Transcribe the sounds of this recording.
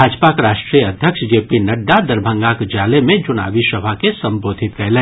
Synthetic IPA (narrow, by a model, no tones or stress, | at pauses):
aːd͡ʒpakɾaːʃʈɾijəɐd̪ʱjəkʃd͡ʒeːpinɐɖːad̪ɐɾbʱə̃ŋɡaːkd͡ʒaːlemẽt͡ʃʊna̰ːʋiʃɐbʱakesɐ̃mbɾoːd̪ʱɪt̪kɛɦle